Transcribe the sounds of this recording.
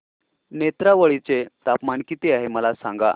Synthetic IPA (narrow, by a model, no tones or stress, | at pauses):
net̪ɾaʋəɭit͡set̪apmaɳkit̪iaɦeməlasãŋɡa̰